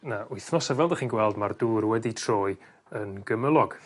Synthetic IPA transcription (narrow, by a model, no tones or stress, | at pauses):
naʔʊɨθnɔsavɛlˠdəχiːnɡwɛlˠdmard̥uːrwɛditʰroːɨ | ənɡəməlˠɔɡ̥